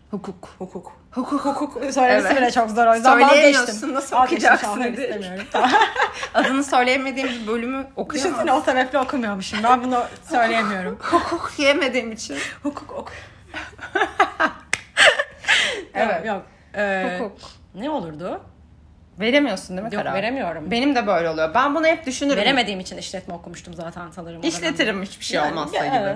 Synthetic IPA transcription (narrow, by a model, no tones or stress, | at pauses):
hukʰukhukʰuk | hukʰukhukʰuksøjlʲembinɛt͡ʃʰokzoɾojd̪øjlejeeijoɾiunːasokʰɯd͡ʒaemijo̞ɾum | ad̪ɯnɯsø̞jlʲejeme̞d̪iːimbibø̞lʲymyokʰuʃininosebɛplʲɛo̞kʰumɯjoɾmuʃt̪ɯmbænbunusø̞jlʲejemijo̞ɾumhukʰukjeme̞d̪iːmit͡ʃʰinhukʰu̥kokʰu̥j | evɛjok̚ | ɛːuuk | nɛo̞lˠuɾd̪ʊ | ve̞ɾe̞mijo̞ɾsund̪emɛjokɾave̞ɾemijo̞ɾumbe̞nimd̪ɛbø̞jlʲɛolˠujobænbunahɛp̚d̪yʃynyɾve̞ɾe̞me̞d̪iːimit͡ʃʰiniʃlʲɛt̪mɛokumuʃt̪umzaːt̪ʰænt̪ʰanɯɾɯmiʃlʲet̪ʰiɾimhyt͡ʃbi̥ʃejolˠmasˠaibɪ